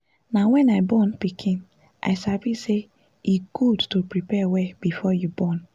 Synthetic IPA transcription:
nawɛ̃naɪbɔ̃npikʰĩn | ʔa̰ɪsavise | iɡ̥udtopɹipɛwɛb̥ifɔjubɔn

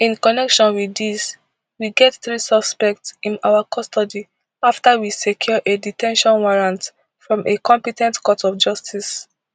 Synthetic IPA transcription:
ĩnkɔnɛkʃɔ̃nwidis | wiɡɛtθɹisɔspɛk̚tsĩnawakʰɔstɔdi | aftawisekʰjɔʔeditɛ̃nʃɔ̃nwaɹãnt | fɹɔ̃mʔekɔ̃mpitɛ̃ntkɔtʰɔfd͡ʒɔstʰis

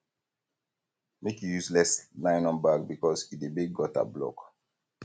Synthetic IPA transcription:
mekjujuslɛslãɪ̃nɔ̃nbaɡ̚bikɔsidebiɡːɔta̰blɔ̰k

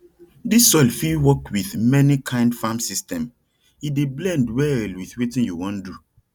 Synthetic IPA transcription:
disɔlfilwɔkwiθmɛnikʰãɪ̃ndfãmsistɛ̃m | ideblɛ̃ndwɛlwiθwetĩnjuwɔ̃ndu

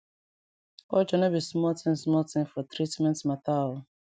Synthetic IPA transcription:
ɔd͡ʒɔnɔbismɔltʰĩmsmɔltĩmfɔt̪ɾitmɛ̃ntmata

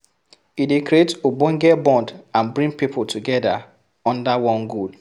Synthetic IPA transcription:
idekɾietobõŋɡɛbɔ̃ndãnbɹĩŋpipʰʊltuɡɛda̰ | ɔ̃ndawɔ̃nɡud

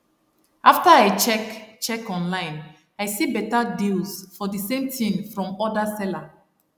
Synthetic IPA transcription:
ʔaftaaɪt͡ʃɛkt͡ʃɛkɔ̃nlãɪ̃n | aɪsibɛtadilsfɔdisẽmtʰĩŋfɹɔ̃mɔdasɛla

